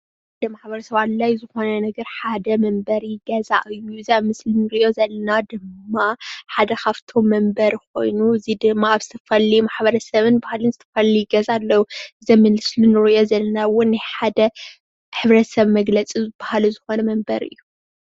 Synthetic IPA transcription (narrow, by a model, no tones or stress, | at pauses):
d̪ɐmaħbɐɾɐsɐβallajzɨxo̞nɐnɐɡɐɾħad̪ɐmɐmbɐɾiɡɐza̰ʔɨjːuɨziaβmɨslinɨɾɨjo̞zɐlːɐnad̪ɨmːaħad̪ɐkʰaβt̪ʰo̞mːɐmbɐɾko̞jnuɨzid̪ɨmːaaβz̥ɨt̪ʰɐfɐlijumaħbɐɾɐsɐβɨnbahalɨnzɨt̪ʰɐfɐlijɡɐzalːɐwuʔɨzɐmɨlɨslunɨɾɨjo̞zɐlːɐnawʊnːaħad̪ɐ | ħɨβɾɐsɐβmɐɡlɐt͡sʼizɨb̥ahaluzɨxo̞nɐmɐmbɐɾɨ̰jːu